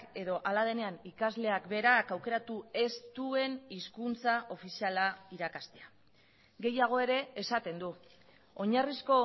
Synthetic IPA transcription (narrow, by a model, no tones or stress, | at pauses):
e̞ðo̞ʔalað̞e̞ne̞anikazle̞akbe̞ɾakawke̞ɾat̪ue̞st̪ue̞niskunt͡saʔo̞fisialaiɾakast̪e̞a | ɡe̞jaɣ̞o̞e̞ɾe̞ːsat̪e̞nd̪u | oɲarisko̞